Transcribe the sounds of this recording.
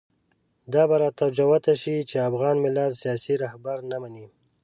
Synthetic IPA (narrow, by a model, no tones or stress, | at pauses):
d̪ɑbaɾat̪awd͡ʒawat̪aʃit͡ʃeafɣɑnmɪlad̪sijɑsiɾahbaɾnamani